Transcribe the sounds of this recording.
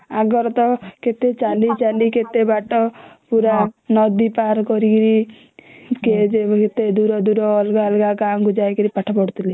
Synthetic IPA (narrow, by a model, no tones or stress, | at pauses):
aɡɔɾɔt̪ɔket̪et͡ʃalit͡ʃaliket̪ebaʈɔpuɾanɔd̪ipaɾkɔɾikiɾi | ked͡ʒeket̪ed̪uɾɔd̪uɾɔːlɡaɔlɡakaŋɡud͡ʒajkiɾipaʈʰapɔɽt̪ʰili